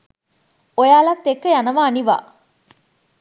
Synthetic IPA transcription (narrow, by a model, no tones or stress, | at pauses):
ojaːlat̪ːekːɐjanɐʋaːniʋa̰ː